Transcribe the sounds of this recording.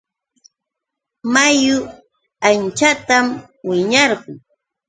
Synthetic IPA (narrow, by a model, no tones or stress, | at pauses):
majʊ | ant͡ʃat̪am | wɪɲɑɾɢʊŋ